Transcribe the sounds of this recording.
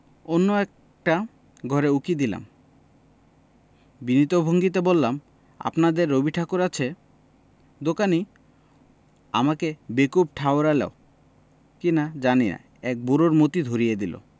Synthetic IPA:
onːoɛk | ʈa | ɡʱɔɾeukid̪ila̰m | binit̪obʱoŋɡit̪̬ebolːam | a̰pnad̪eɾːobiʈʰakoɾat͡ɕʰe | d̪okani | a̰makebekup̚ʈʰaoɾalɛ̰o | kinad͡ʑanina̰ | ɛk̚buɾoɾmot̪id̪ʱoɾijed̪ilo̰

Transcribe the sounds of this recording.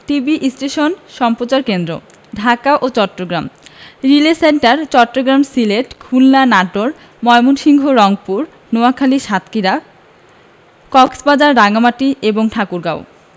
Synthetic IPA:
ʈibiʔisʈeʃonʃɔmpɾot͡ɕaɾkend̪ɾo̰ | ɖʱakaʔot͡ɕɔʈːɾoɡɾamɾileseɳʈaɾt͡ɕɔʈːɾoɡɾamsileʈkʰulːanaʈoɾ | mɔjmonʃiŋɡʱoɾɔŋpuɾ | noakʰaliʃat̪kiɾa | kɔksbad͡ʑaɾːaɡamaʈieboŋʈʰakuɾɡaw

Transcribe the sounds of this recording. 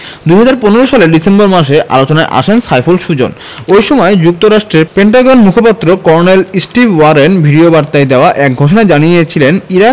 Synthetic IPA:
d̪ujɦad͡ʑaɾponeɾoʃaleɖisemboɾmaʃ̬eʔa̰lot͡ɕonaeʔa̰ʃensajfolʃud͡ʑo̰n | ojʃɔmɔed͡ʑuk̚t̪oɾaʃʈɾeɾpeɳʈaɡonmukʰopat̪ːɾokɔɾnelisʈibwaɾenbʱiɖiobaɾt̪aed̪eoaʔɛk̚ɡʱoʃ̬onaed͡ʑanijet͡ɕʰileniɾa

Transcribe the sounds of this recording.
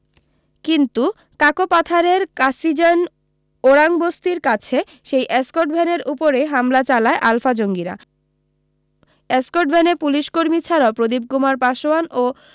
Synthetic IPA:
kint̪u | kakopat̪ʰaɾeɾkasid͡ʑen | oɾaŋbost̪iɾkat͡ɕʰe | ʃejʔeskoɾʈbʱɛneɾupoɾeɦamlat͡ɕalaeʔalfad͡ʑoŋɡiɾa̰ | eskoɾʈ̚bʱɛnepuliʃkoɾmit͡ɕʰaɾapɾod̪ib̚kumaɾpaʃoano

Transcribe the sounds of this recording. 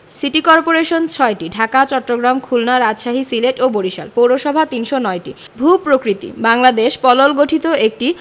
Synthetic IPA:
siʈikɔɾpoɾeʃont͡ɕʰɔeʈiɖʱakat͡ɕɔʈːoɡɾamkʰulnaɾad͡ʑʃaɦisileʈoboɾiʃa̰lpowɾoʃɔbʱat̪inʃonɔeʈi | bʱupɾokɾit̪ḭbaŋlad̪eʃpɔlolɡoʈʰit̪oek̚ʈi

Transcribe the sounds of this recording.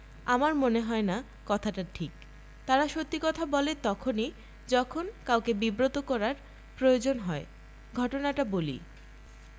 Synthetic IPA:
amaɾmoneɦɔena | kɔt̪ʰaʈaʈʰik | t̪aɾaʃot̪ːikɔt̪ʰabɔlet̪ɔkʰoni | d͡ʑɔkʰonkawkebibɾot̪okɔɾaɾ | pɾojod͡ʑonɦɔe | ɡʱɔʈonaʈabolḭ

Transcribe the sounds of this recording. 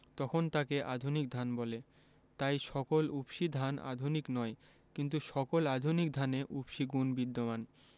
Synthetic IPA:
t̪ɔkʰont̪akeʔad̪ʱunik̚d̪ʱanbɔle | t̪ajʃɔkolubʃid̪ʱana̰d̪ʱuniknɔe | kint̪̬uʃɔkolad̪ʱunik̚d̪ʱaneʔubʃiɡunbid̪ːoman

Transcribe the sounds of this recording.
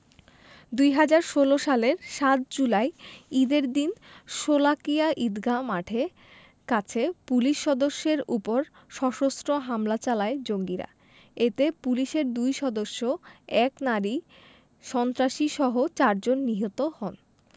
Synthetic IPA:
d̪ujɦad͡ʑaɾʃoloʃaleɾʃat̪̚d͡ʑulaeid̪eɾd̪inʃolakiaʔid̪ɡʱamaʈʰe | kat͡ɕʰepuliʃːɔd̪oʃːeɾupoɾ | ʃɔʃostɾoɦamlat͡ɕalaed͡ʑoŋɡiɾa̰ | et̪epuliʃeɾd̪ujʃɔd̪oʃːoɛknaɾi | ʃɔnt̪ɾaʃiʃɔɦot͡ɕaɾd͡ʑonːiɦot̪ohɔn

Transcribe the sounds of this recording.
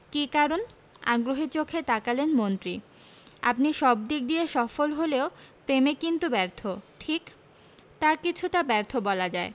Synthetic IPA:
kikaɾon | a̰ɡɾoɦit͡ɕokʰet̪akalenmont̪ɾi | a̰pniʃɔbd̪ik̚d̪ieʃɔfolɦoleopɾemekint̪ubɛɾt̪ʰoʈʰik | t̪akit͡ɕʰuʈabɛɾt̪ʰobɔlad͡ʑae

